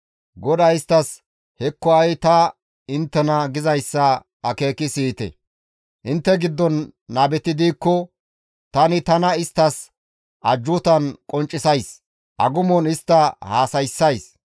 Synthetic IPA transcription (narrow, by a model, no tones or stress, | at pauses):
ɡɔd̪ɐɪst̪ːɐs | hɛkːɔɐjt̪ɐ | ɪnt̪ːɛnɐɡɪzɐjsːɐ | ɐke̞ːkɪsiːt̪ɛ̰ | ʔɪnt̪ːɛɡɪd̪ːɔnːaːbɛt̪ɪd̪iːkːɔ | t̪ɐnɪt̪ɐnɐɪst̪ːɐs | ʔɐd͡ʒːʊt̪ɐnkʼɔnt͡ʃʼːɪsɐjs | ʔɐ̰ɡʊmɔnɪst̪ːɐhaːsɐjsːɐjs